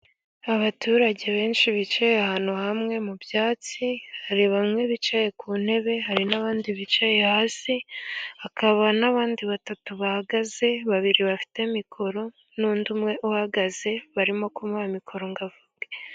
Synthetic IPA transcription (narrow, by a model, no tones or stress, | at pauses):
aβatuːɾaɟe̞βe̞ːnʃiβit͡ʃejehaːn̥huhamŋe̞mubjaːt͡sihaɾiβamŋe̞βit͡ʃaje̞kun̥e̞βe̞ɦaɾinaβaːndiβit͡ʃaje̞haːsiakaβanaβaːndiβatatuβahaɡaze̞βaβiɾiβafi̥te̞mikʰo̞ɾo̞ | nuːndumŋe̞ʔuhaɡaze̞βaɾimo̞kumaamikʰo̞ɾoŋɡavubɡe